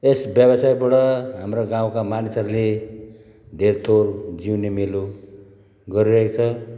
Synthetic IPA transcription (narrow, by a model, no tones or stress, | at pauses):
esbjʌbʌsajbuɽʌɦamroɡãw̃kamanisʌɾule | d̪ʱert̪old͡ziwnemilu | ɡʌɾiɾʌɦekt͡sʰʌ